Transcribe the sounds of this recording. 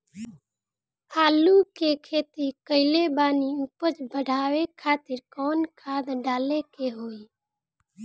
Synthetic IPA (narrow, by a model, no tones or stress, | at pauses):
aːlukekʰeːt̪ikəɪlebaːniuːpət͡ʃbəɽʱaːwekʰaːt̪ɪɾkɔːnkʰaːd̪ɖaːlekeɦoːiː